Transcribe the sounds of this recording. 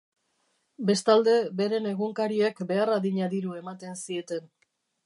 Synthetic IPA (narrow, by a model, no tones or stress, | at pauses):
be̞st̪ald̪e̞be̞ɾe̞ne̞ɣuŋkaɾiekbe̞araðiɲaðiɾue̞mat̪e̞nsie̞t̪e̞n